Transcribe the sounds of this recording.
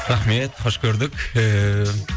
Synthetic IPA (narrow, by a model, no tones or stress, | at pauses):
ɾaχmet̪χɒʃkʲʰɵɾd̪ɪkʲ